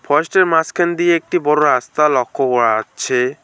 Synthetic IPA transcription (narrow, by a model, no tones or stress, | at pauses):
pʰɔsʈeɾmaskʰend̪ieek̚ʈibɔɾoɾast̪alɔkʰːokɔɭaat͡ʃʰe